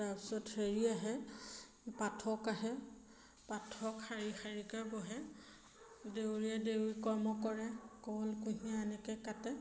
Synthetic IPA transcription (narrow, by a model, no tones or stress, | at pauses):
tapi̥sɔtheɹiaɦɛ | patʰɔkaɦɛ | patʰɔkxaɹixaɹikabɔɦɛ | dewɹiadewɹikɔɹmɔkɔɹɛkɔɔlkuɦiaanɛkɛkatɛ